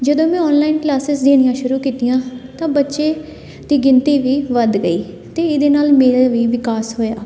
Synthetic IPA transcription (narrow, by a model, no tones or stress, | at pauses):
d͡ʒəd̪õːmɛ̃ːɔːnlaːɪnklaːsɪsd̪eːɽ̃ɪjãːʃʊɾuːkiːt̪ijãːt̪ãːbətːʃeː | d̪̥iːɡɪnt̪iːʋiːʋəd̪ɡəḭː | t̪eːɪd̪eːnaːlmeːɾaːʋiːʋɪkaːsɦoːjaː